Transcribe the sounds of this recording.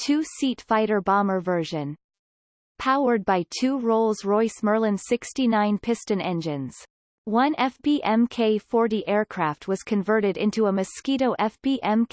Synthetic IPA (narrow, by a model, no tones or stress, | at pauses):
tʰʉsitfaɪɾə˞bɑmə˞vɜ˞ʒɨ̃n | pʰaʊə˞d̚baɪtʰʉɹoʊlˠzɹɔɪsmɜ˞lˠə̃nsɪkstinãɪ̃npʰɪstɨ̃nɛ̃nd͡ʒɨ̃nz̥ | wʌ̃nɛfb̥iʔɛ̃mkʰeɪfɔɹɾiʔɛɹkʰɹ̥æft̚wʌz̥kʰɨ̃ɱvɜ˞ɾɨɾɪ̰̃ntuəmɨskiɾoʊʔɛfb̥iʔɛ̃m